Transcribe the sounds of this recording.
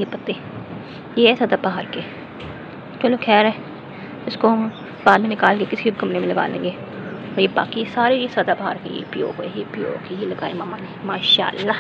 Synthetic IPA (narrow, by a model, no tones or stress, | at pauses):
jepɐt̪ːeː | jeːɛsɐd̪aːbaɦaːɾkeː | t͡ʃəlokʰɛːɾɛː | ɪskom | baːd̪mẽnɪkaːlkekɪsiɦʊkəmnemẽləɡa̰ːlḛ̃ːŋɡeː | ɔːɾjeːba̰ːkisaːɾeɾisɐd̪aːbɐɦaːɾkejḛpɪjo̰ːɡojepɪjo̰ːkejilɐɡaːemaːmaːnemaːʃa̰ːlːa